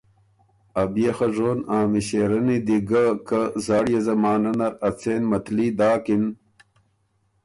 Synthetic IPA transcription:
ɐbjexɐʐoːnaːmiɕeːɾɐnid̪iɡɐkɐzaːɽjezɐmaːnɐnɐɾɐt͡seːnmɐt̪liːd̪aːkin

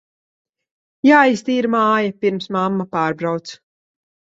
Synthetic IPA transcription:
jaːjst̪iːɾmaːjapiɾmsmamːapaːɾbɾawt̪s

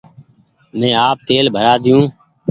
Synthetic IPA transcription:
mɛ̃ːaːp̚t̪eːlbʱəɾaːd̪ɪjũː

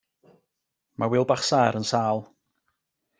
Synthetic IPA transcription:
mawɪlˠbaχsaːɾənsaːlˠ

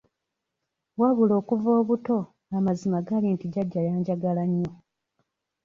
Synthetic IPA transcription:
waβulo̞ːkuvo̞ːβuto̞ | ŋamazimaɡalintiɟaɟːajaːɲɟaɡalaɲːo̞

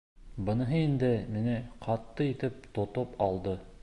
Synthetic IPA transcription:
bɤ̆nɤ̆ɦɤind̪ɘmɘ̆nɘqʰɑt̪ːɤit̪ɘp̚t̪ŏt̪opɑlˠd̪ɤ

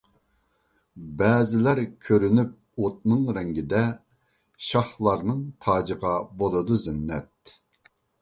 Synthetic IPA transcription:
bɛːzɪlæɾkʲʰøɾynyp̚ | ot̪̚nɨŋɾɛŋɡʲid̪ɛ | ʃɑχlˠɑɾnɨŋt̪ʰɑːd͡ʒəʁɑbolˠɨd̪uzɛnːɛt̪̚

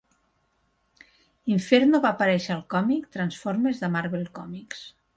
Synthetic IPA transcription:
iɱfeɾnoβapaɾɛʃːlˠkɔmikt̪ɾansfoɾmezðəmaɾβelˠkɔmiks

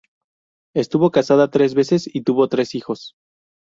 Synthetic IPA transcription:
e̞st̪uβo̞kasaðat̪ɾe̞zβe̞se̞sit̪uβo̞t̪ɾe̞sixo̞s

